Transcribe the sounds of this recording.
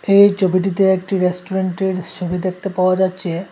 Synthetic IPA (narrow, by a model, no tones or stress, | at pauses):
ejt͡ɕʰobiʈ̬it̪̬eek̚ʈiɾesʈoɾeɳʈeɾt͡ʃʰobid̪ek̚ʰt̪epaoad͡ʑatːʃʰe